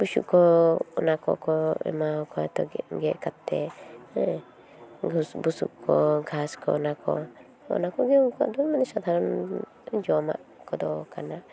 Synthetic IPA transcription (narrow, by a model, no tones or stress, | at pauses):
busṵʔkɔɔnakɔ̰kɔɛ̰makɔɛt̪ɔɡɛʔkat̪ːɛ | busṵʔkʰːɔɡʱaskɔ̰nakɔ̰ | ɔ̰nakɔɡɛuŋkɔ̰d̪ɔnmanɛsad̪ʱaɾɔn | d͡ʒɔma̰ʔkɔd̪ɔkana